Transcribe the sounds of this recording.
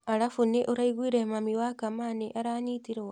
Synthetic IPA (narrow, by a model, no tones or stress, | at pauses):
aɾafuneʔoɾaiɣwiːɾemamiwakamaneʔaɾaːɲitiɾewa